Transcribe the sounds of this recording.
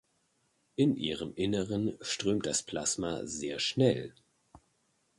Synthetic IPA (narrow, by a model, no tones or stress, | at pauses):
ʔɪnʔḭːʁəmʔɪnəʁənʃtʁ̥øːmt̚d̥aspʰl̥asma̰zeːɐʃnɛl